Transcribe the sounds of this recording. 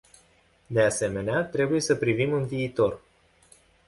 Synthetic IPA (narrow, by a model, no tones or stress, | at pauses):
d̪e̞ase̞me̞neat̪ɾe̞buje̞səpɾivimunviːt̪o̞r